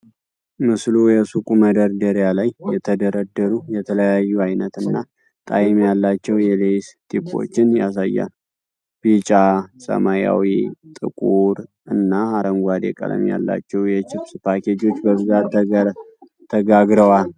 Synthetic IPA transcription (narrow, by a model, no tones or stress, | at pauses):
mɨslujɛsukʼuməd̪əɾd̪əɾjalajjɛt̪ʰəd̪əɾəd̪ːəɾujɛt̪ʰələjajːuajnət̪ɨnːa | t̪ʼajɪmjalːat͡ʃːɛwjɛlest̪ʰipo̰t͡ʃːɪnjas̬ajːa̰l | b̥it͡ʃʼasə̰maja̰wit̪ʼɨ̰kʼuɾ | ɨnːaaɾəŋɡʷad̪ḛkʼə̰lə̰mja̰lːa̰t͡ʃːɛwjɛt͡ʃɪbspakʰed͡ʒo̞t͡ʃːbəbɨza | t̪ʰəɡaɡɾəwal